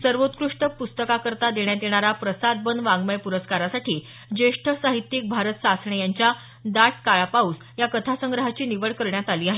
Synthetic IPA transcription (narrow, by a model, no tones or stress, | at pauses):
səɾʋot̪kɾuʂʈəpust̪əkakəɾt̪ad̪eɳ̃jad̪eɽ̃aɾapɾəsad̪̚bənʋãŋɡməjpuɾəskaɾasaʈiː | d͡ʑeʂʈʰəsaɦit̪jik̚bʱaɾət̪sasɳ̃ejaɲt͡ɕja | d̪aʈ̚kaɭapaus | jakət̪ʰasəŋɡɾəɦat͡ɕiːniʋəɭkəɾɳjat̪aliːaɦe